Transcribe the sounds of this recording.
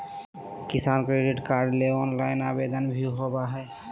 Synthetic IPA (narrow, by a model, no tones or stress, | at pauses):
kɪsaːnkɾeɖiʈkaːɾɖleɔːnlaɪnabed̪ənbʱuɦobaɦɛ